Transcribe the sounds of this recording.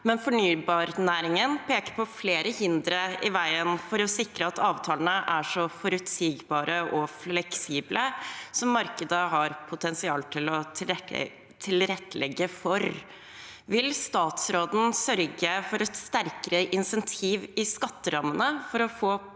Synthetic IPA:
mɛnfɔɳyːbɑːɾnæːɾɪŋənpʰeːkəɾpʰɔfleːɾəhɪnd̪ɾəɪʋæɪənfɔɾɔsɪkɾəɑt̪ɑːʋt̪ʰɑːlənəʔæʂɔfɔɾʉt̪siːɡbɑːɾəʔɔflɛksiːbləsɔmːɑɾkəd̪əɦɑɾpʰʊt̪ʰɛnsɪɑːlt̪ʰɪlɔ | t̪ʰɪlɾɛt̪ːəlɛɡːəfɔɾ | ʋɪlst̪ɑːt̪sɾoːd̪n̩sœɾɡəfɔɾɛt̪st̪æɾkəɾəʔɪnsɛnt̪ʰiːʋɪskɑt̪ːəɾɑmːənəfɔɾɔfoː

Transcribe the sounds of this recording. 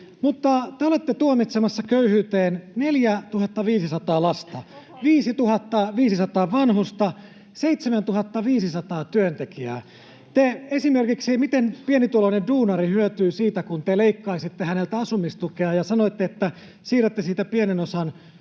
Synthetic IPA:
mut̪ːɑt̪eolet̪ːet̪uomit̪semɑsːɑkøyhyːt̪eːnneljæt̪uhɑt̪ːɑʋiːsisɑt̪ɑːlɑst̪ɑ | ʋiːsit̪uhɑt̪ːɑʋiːsisɑt̪ɑːʋɑnhust̪ɑ | seit̪semænt̪uhɑt̪ːɑʋiːsisɑt̪ɑːt̪yønt̪ekiæ̰ː | t̪eesimerkiksimit̪enpienit̪ulonenduːnɑrihyøt̪yːsiːt̪ækunt̪eleikːɑisit̪ːehænelt̪æɑsumːist̪ukeɑjɑsɑnoit̪ːeet̪ːæ | siːræt̪ːesiːt̪æpienenosɑn

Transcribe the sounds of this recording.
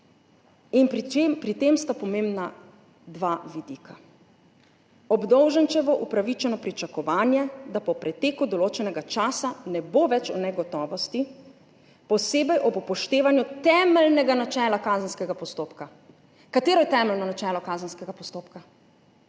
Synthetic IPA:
inpɾit̪emst̪apɔmeːmbna | d̪ʋaːʋid̪iːkʰa | ɔbd̪ɔwʒənt͡ʃɛʋɔʔupɾaʋit͡ʃɛnɔpɾit͡ʃakɔʋaːnjɛd̪apɔpɾɛt̪eːkud̪ɔloːt͡ʃɛnɛɡat͡ʃaːsanɛboʋɛt͡ʃɔnɛɡɔt̪ɔːʋɔst̪i | pɔseːbɛjʔɔbpɔʃt̪eːʋanjut̪ɛmɛlnɛɡanat͡ʃɛːlakaːzənskɛɡapɔst̪oːpka | kat̪eːɾɔjɛt̪ɛːmɛlnɔnat͡ʃɛːlɔkaːzənskɛɡapɔst̪oːpka

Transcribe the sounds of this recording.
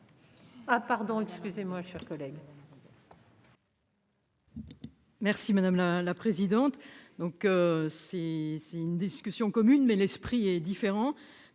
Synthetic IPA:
apaʁd̪ɔ̃ɛkskʲyzemwaʃɛʁkɔlɛɡ | mɛʁsimad̪amlalapχezid̪ɑ̃t̪d̪ɔ̃køsɛsɛynd̪iskʲysjɔ̃kɔmynmɛlɛspχiɛd̪ifeʁɑ̃

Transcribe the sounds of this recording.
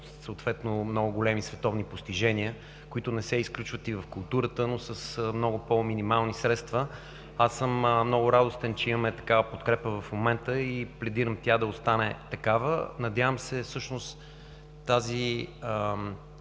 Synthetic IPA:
səot̪vɛt̪nomnɔɡʊɡolɛmisvɛt̪ɔvnipost̪iʒɛnʲiə | kʊit̪ʊnɛsɛisklʲut͡ʃvət̪ivɐfkʊlˠt̪uɾət̪ənosəsəmnɔɡʊpominimalˠnisɾɛt̪st̪və | asːəmmnɔɡʊɾad̪ost̪ɛnt͡ʃɛiməmɛt̪ɐ̥kavəpot̪kɾɛpəvɐfmomɛnt̪əiplɛd̪iɾəmt̪ʲad̪ɐost̪anɛt̪ɐkavə̰nɐd̪ʲjavəmsɛfsɤʃnost̪ | t̪ːaziə

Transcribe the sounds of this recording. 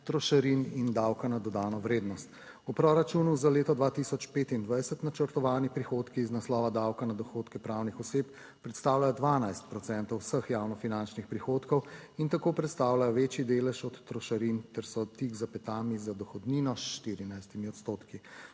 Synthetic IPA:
t̪ɾɔʃaɾinind̪awkanad̪ɔd̪aːnɔʋɾeːd̪nɔst̪ | upɾɔɾat͡ʃuːnuzaleːt̪ɔd̪ʋat̪isɔt͡ʃpeːt̪ind̪ʋajsɛt̪nat͡ʃəɾt̪ɔʋaːnipɾixoːt̪kiːznaslɔːʋad̪awkanad̪ɔxot̪kɛpɾawnixɔseːp | pɾɛt̪st̪aːwlajɔd̪ʋaːnajst̪̚pɾɔt̪sɛnt̪ɔwsəxjaːwnɔfinant͡ʃnixpɾixoːt̪kɔwint̪akoːpɾɛt̪st̪aːwlajɔʋeːt͡ʃjid̪eːlɛʃɔt̪ːɾɔʃaɾint̪ɛɾsɔt̪ikzapɛt̪aːmizad̪ɔxɔd̪niːnɔsʃt̪iːɾinajst̪imiɔt̪st̪oːt̪ki

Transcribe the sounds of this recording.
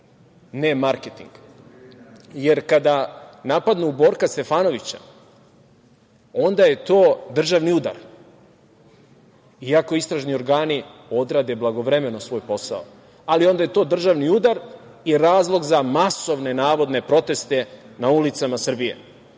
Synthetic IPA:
nemaɾket̪ḭŋɡ | je̞ɾkad̪anapad̪nuːbo̞ːɾkast̪e̞faːno̞ʋit͡ɕa̰ | o̞nd̪aje̞t̪o̞ːd̪r̩ʒaʋniud̪a̰ɾ | iako̞ist̪ɾaʒnio̞ɾɡaːnio̞d̪ɾaːd̪e̞blˠaɡo̞ʋɾeme̞nosʋo̞ːjpo̞sa̰o̰ | alio̞nd̪aje̞t̪o̞ːd̪r̩ʒaʋniud̪aɾ | iɾaːzlˠo̞ɡzamaso̞ʋne̞naːʋo̞d̪ne̞pɾo̞t̪e̞st̪e̞naulit̪samasr̩bijḛ

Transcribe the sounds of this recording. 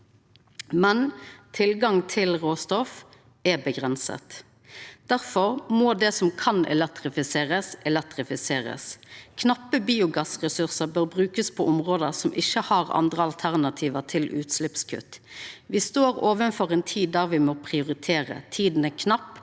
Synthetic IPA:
mɛnt̪ʰɪlɡɑŋt̪ʰɪlʁoːst̪ɔf | ɛbəɡʁɛnsə̰t̪ | d̪̥æʁfɔɾmod̪ɛsɔmkʰɑnɛ̰lɛk̚t̪ɾɪfɪseːʁəsɛlɛk̚t̪ɾɪfɪseːɾə̰skʰnɑpːəbiːʊɡɑsʁɛsʉʁsəbøːʁbʁʉːkəspʰɔʔɔmʁoːd̪əʁsɔmʔɪçːəhɑʁɑ̰nd̪ʁəɑlt̪ʰæʁnɑt̪ʰiːʋət̪ʰɪlʔʉ̰ːt̪slɪpskʰʉ̰t̪ːʋɪst̪oːʁoːʋənfɔʁɛnt̪ʰiːd̪d̪æːʁʋɪmɔpʰʁɪʊɾɪt̪ʰeːʁə̰t̪ʰiːd̪n̩ɛkʰnɑpː

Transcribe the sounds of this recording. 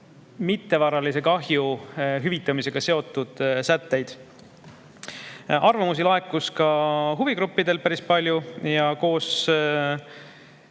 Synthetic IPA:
mit̪ːe̞vɑɾɑlise̞kɑɦjuɦyvit̪ːˑɑmise̞ɡ̥ɑse̞o̞t̪ːˑud̪̥sæt̪ːe̞jd̪̥ | ɑrvɑmusilɑekːˑuskɑɦuviɡɾupːid̪e̞lpæɾispɑlʲjujɑko̞ːs

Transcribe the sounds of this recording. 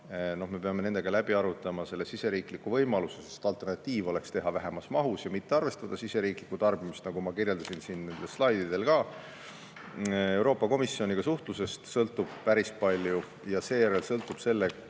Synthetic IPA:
no̞hme̞peɑmee̞nd̪eɡ̥ɑlæb̥iɑɾut̪ːˑɑmɑse̞lːesise̞ɾiːklikːuvɤjmɑlusesest̪ɑlt̪ːˑe̞rnɑt̪ːˑiːvo̞le̞kst̪e̞ɦɑvæɦe̞mɑsmɑɦusjɑmit̪ːeɑrve̞st̪ɑd̪̥ɑsise̞ɾiːklikːˑut̪ɑrb̥imist̪nɑɡ̥umɑkirje̞ld̪ɑsinsinne̞nd̪̥elslɑjd̪̥id̪̥e̞lkɑː | e̞wɾo̞ːpːˑɑko̞misːio̞nʲiɡ̥ɑsuht̪luse̞st̪sɤlt̪ːˑub̥pæɾispɑlʲju | jɑse̞ːjæɾelsɤ̞lt̪ːˑub̥se̞lːe

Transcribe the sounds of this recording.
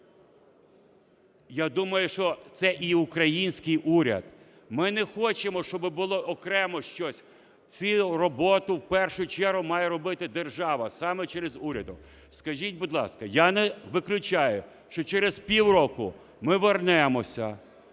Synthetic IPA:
jad̪umɐjʊʃt͡ʃɔt̪sɛʔiʊkɾɐjinʲsʲkɪjʔuɾʲɐ̰d̪̥ | mɪnɛxɔt͡ʃemɔʃt͡ʃɔbɪbʊlˠɔʔɔkɾɛmɔʃt͡ʃɔsʲ | t͡sʲirɔbɔt̪ʊwpɛrʃʊt͡ʃɛrɦʊmɑjɛɾɔbɪt̪ɪd̪erʒɑʋɐsɑmɛt͡ʃɛɾezuɾʲɐd̪ʊ | skɐʒʲit̚ʲbʊd̪lˠɑ̰skɐjanɛʋɪklʲʊt͡ʃajʊ | ʃt͡ʃɔt͡ʃɛɾez̥pʲiwrɔkʊ | mɪʋernɛmɔsʲɐ

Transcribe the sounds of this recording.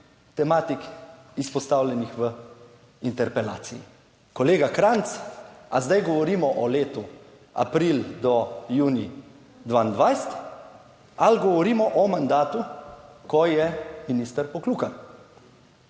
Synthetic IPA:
t̪ɛmaːt̪ik | ispɔst̪awljɛnixʋə | int̪ɛɾpɛla̰ːt̪sijḭ | kɔleːɡakɾant̪sa̰zd̪ajɡɔʋɔɾiːmɔʔɔleːt̪u | a̰pɾild̪ɔjuːni | d̪ʋaːnd̪ʋajst̪ | alɡɔʋɔɾiːmɔʔɔmand̪aːt̪ukɔjɛminist̪əɾpɔkluːka

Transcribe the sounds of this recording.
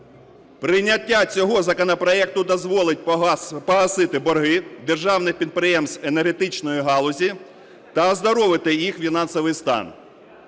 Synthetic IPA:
pɾɪjnʲːɐtʲːat͡sʲɔɦɔzɐkɔnɔpɾɔɛk̚t̪ʊd̪ɔzʋɔlˠɪtʲpɔɦɐsɪt̪ɪbɔrɦɪd̪erʒɑwnɪxpʲid̪̚pɾɪjɛmsenerɦet̪ɪt͡ʃnɔjiɦɑlˠʊzʲi | t̪ɐzd̪ɔɾɔʋɪt̪ɪjixfʲinɑnsɔʋɪjst̪ɑ̰n

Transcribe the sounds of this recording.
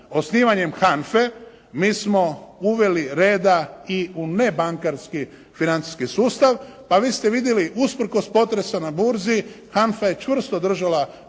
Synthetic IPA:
o̞sniːʋaɲe̞mxanfe | miːsmo̞uʋe̞liɾe̞ːd̪aiune̞baŋkaɾski | finant̪i̥skisuːst̪aʋpaʋiːst̪e̞ʋid̪jeliʔuspr̩ko̞spo̞t̪ɾe̞sanabuɾzi | xanfaje̞t͡ʃʋr̩st̪o̞d̪r̩ʒala

